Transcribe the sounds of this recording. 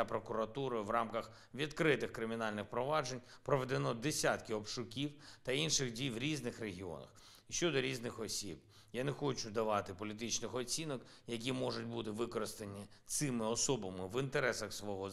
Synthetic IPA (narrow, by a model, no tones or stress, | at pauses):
apɾɔkʊɾɐt̪uɾʊjʋrɑmkɐx | ʋʲid̪kɾɪt̪ɪxkɾɪmʲinɑlʲnɪxpɾɔʋɑd͡ʒenʲ | pɾɔʋed̪enɔd̪esʲat̪kɪɔpʃʊkʲiwt̪ɐinʃɪɣdʲijʋɾʲiznɪxreɦʲiɔ̰nɐ̰x | iʃt͡ʃɔd̪ɔɾʲiznɪxɔsʲib | janexɔt͡ʃʊd̪ɐʋɑt̪ɪpɔlʲit̪̬ɪt͡ʃnɪxɔt͡sʲinɔk | jɐk̬ʲimɔʐʊt̚ʲbut̪ɪʋɪkɔɾɪst̪ɐnʲːit̪sɪmɪɔsɔbɐmɪʋint̪eɾɛsɐxsʋɔɦɔ